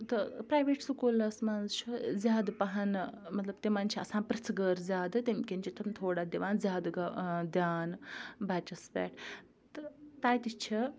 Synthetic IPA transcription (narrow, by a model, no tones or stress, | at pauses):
t̪ɐpɾaːjʋeːʈsukuːlɐsmaːnzt͡ʃʰizʲjaːd̪pɐɦɐnmɐt̪lɐb̚t̪emaːnt͡ʃʰiɐ̰sãːnpɾɐt͡sʰɡəɾzʲjaːd̪ɨt̪ʲemkʲenʲt͡ʃʰit̪ʰɐmʲt̪ʰoːɽaːd̪iʋaːnzjaːd̪ɡɐd̪ʲjaːnbaːt͡ʃɐsbʲɛ̰ːʈʰ | t̪ɨt̪aːjt̪it͡ʃʰi